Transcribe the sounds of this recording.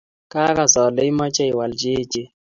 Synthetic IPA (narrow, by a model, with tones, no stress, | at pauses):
kʼa˦ka˨zɔ˨lɛ˨i˦ma˦t͡ʃʼa˦i˨wa˨ld͡ʒe̥ː˦d͡ʒʱi˦